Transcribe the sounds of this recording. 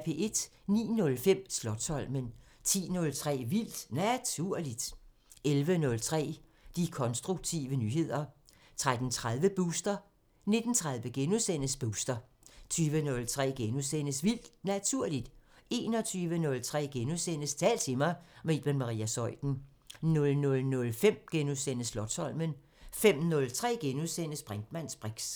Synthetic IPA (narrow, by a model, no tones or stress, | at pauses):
pʰe̝̰ʔe̝d̥nḭːnɔ̽lfem̰slɒ̽d̥sɒ̽l̰mən | t͡sʰḭːnɔ̽lt͡sʰʁɛ̰ːʋil̰d̥næt͡sʰuɐ̰lid̥ | elʋənɔ̽lt͡sʰʁɛ̰ː | d̥ikʰɒ̽nsd̥ʁuɡ̥̚t͡sʰḭːʋənyːɦe̝ð̞̰ˠɐ | t͡sʰʁad̥n̩t͡sʰʁað̞ˠʋəb̥usd̥ɐ | ne̝d̥n̩t͡sʰʁaðˠʋəɡ̥enusen̰əsb̥usd̥ɐ | t͡sʰyːʋənɔ̽lt͡sʰʁɛ̰ːɡ̥enusenəsʋil̰d̥næt͡sʰuɐ̰lid̥e̝ːnɒ̽t͡sʰyːʋənɔ̽lt͡sʰʁɛ̰ːɡ̥enusen̰əst͡sʰɛ̰ːlt͡sʰe̝mɑɪme̝̰ːd̥menmɑ̈ʁḭːæsɒ̽ɪ̰d̥n̩ | nɔ̽lnɔ̽lnɔ̽lfem̰ɡ̥enuðˠsenəslɒ̽d̥sɒ̽l̰mən | fem̰nɔ̽lt͡sʰʁɛ̰ːɡ̥enuðˠsen̰əsb̥ʁand̥mæn̰sb̥ʁeɡ̥s